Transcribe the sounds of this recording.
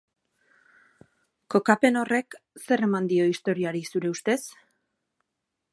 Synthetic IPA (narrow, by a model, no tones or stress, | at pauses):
ko̞kape̞no̞re̞kse̞re̞mand̪io̞ist̪o̞ɾiaɾisuɾe̞ust̪e̞s